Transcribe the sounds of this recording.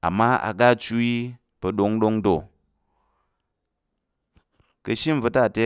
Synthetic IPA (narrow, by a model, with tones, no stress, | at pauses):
a̰˨mːa˦a̰˨ɡa˦t͡ʃu˦i˦ | pɐ˧ɗo˧˦ŋɗo˦ŋdo˨ | kə˧ʃi˦m˨vu˧ta˦˨te˦